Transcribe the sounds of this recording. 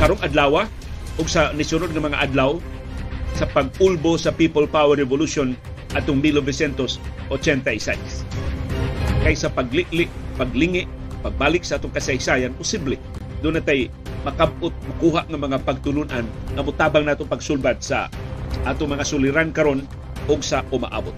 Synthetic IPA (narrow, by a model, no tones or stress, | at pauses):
kaɾoŋad̪laːwa | ʔʊɡsanɪsʊnod̪̚ŋɐmɐŋaʔad̪law | sapaɡ̚ʊlbosapipolpawɛɾɛvoluson | ʔat̪ʊŋmilobɪsɛnt̪osʔot͡ʃɛnt̪aɪsa̰s | kajsapaɡlɪʔlɪʔpaɡlɪŋɪʔ | paɡ̚balɪk̚saʔaːt̪ʊŋkasajsajanpʊsiblɛ | d̪ʊnat̪aj | mɐkab̚ʔʊt̪̚makuɦaʔŋɐmɐŋapaɡ̚t̪ʊlʊnʔanʔamʊt̪aːbaŋnaːt̪ʊpaɡsʊlbad̪̚sa̰ʔaːt̪ʊŋmɐŋasʊlɪɾankaɾon | ʔoɡsaʔʊma̰ʔa̰ːbʊt̪̚